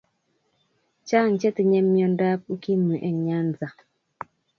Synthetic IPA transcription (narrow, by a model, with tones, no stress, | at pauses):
t͡ʃa˦˨ŋ˨t͡ʃɛ˦ti˨ɲɛ˦mjɔ˨nda˦p̚u˦ki˦mu˨ʔɛ˨ɲa˦nza˨